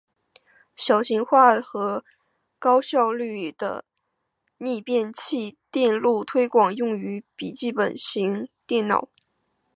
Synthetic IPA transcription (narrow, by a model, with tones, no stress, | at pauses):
ɕjɑ˨˩ʊɕi˧˥ŋxwa˥˩xɤ˧˥ | kɑ˥ʊɕjɑ˥˧ʊly˥˩d̪̥ə̰˩ | ni˥˧pjɛ˥˧nt͡ɕʰi˥˧t̪jɛ˥˧nlu˥˩t̪ʰwe˥ɪkwɑ˨˩ŋjʊ˥˩ŋy˧˥pi˨˩t͡ɕi˥˩pə˨˩nɕi˧˥ŋt̪jɛ˥˩nnɑ̰˨˩˦ʊ